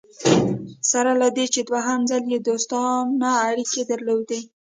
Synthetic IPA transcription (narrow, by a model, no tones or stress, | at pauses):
saɾalad̪et͡ʃed̪waɦamzaljed̪ost̪ɑnaːɽiked̪əɾlowd̪e